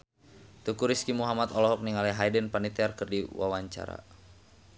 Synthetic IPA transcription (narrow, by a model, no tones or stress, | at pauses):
t̪ukuɾiskimuɦamat̪ɔlɔɦɔk̚niŋalɛɦajdənpanit̪ɛarkɨrdiwa̰waɲt͡ʃa̰ɾa̰